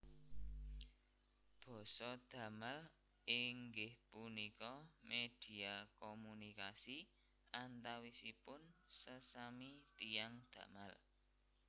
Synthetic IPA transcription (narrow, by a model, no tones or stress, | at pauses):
b̥ɔ̤sɔd̪̥ä̤mal | ɪŋɡɪhpunikɔmed̪̥i̤akɔmunikasi | ʔant̪awisipʊnsəsamit̪ijaŋd̪̥ä̤mal